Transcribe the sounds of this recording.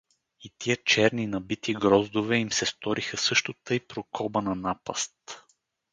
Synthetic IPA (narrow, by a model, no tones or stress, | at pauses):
it̪iət͡ʃɛɾninɐbit̪iɡɾɔzd̪ovɛimsɛst̪ɔɾʔixəsɤʃt̪ot̪ɤjpɾokɔbənɐnapɐst̪